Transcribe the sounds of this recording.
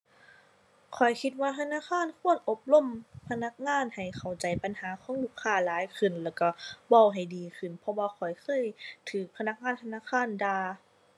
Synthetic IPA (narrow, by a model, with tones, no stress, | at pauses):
kʰɔ˨˩jkʰi˧t̪̚waː˧t̪ʰa˧naː˧˨kʰaː˧˥˨nkʰu˧˥˨ənʔo˧p̚lo˧˥˨mpʰa˧na˧˥k̚ŋaː˧˥˨nha˨˩jkʰa˨˩wt͡ɕa˨˦jpa˨nhaː˨˦kʰɔː˧˦ŋluː˧˩˨kʰːaː˧˩˨laː˨˦jkʰɯ˧˩nlɛː˧˩wka˧˩ba˧˩wɦa˨˩jdiː˨kʰɯ˧˩˨npʰɔ˧waː˧kʰɔ˨˩jxʰɤː˧˥˨jt̪ʰɯː˨˦k̚pʰa˧na˧˥k̚ŋaː˧˥˨nt̪ʰa˧naː˧˥˨xʰaː˧˥˨ndaː˧